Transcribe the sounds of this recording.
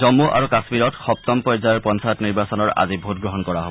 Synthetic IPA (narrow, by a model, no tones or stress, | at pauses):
zɔmːuʔa̰ɹukasmiɹɔtxɔp̚t̪ɔmpɔjzajɔɹpɔnsʰajɔtniɹbasɔnɔɹa̰zibʱutɡɹɔɦɔnkɔɹaɦob